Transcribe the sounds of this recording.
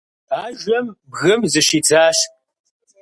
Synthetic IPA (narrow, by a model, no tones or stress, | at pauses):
aːʒʷɐmbɣɨmzɨʃiːt͡sʰaːɬ